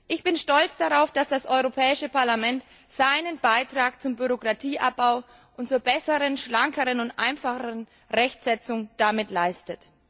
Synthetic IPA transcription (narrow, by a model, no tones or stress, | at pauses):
ʔɪçb̥ɪnʃtɔlt͡sd̥aʁaʊfd̥asd̥asʔɔʏʁopʰɛːɪʃəpaɐlamɛnt | z̥aɪnənbaɪtʁ̥aːk̚t͡sʊmbyʁokʁ̥atʰiːʔa̰p̚b̥aʊ | ʔʊntt͡suːɐbɛsəʁənʃlaŋkəʁənʊntʔa̰ɪnfaχəʁən | ʁɛçtz̥ɛt͡sʊŋd̥amɪtlaɪstət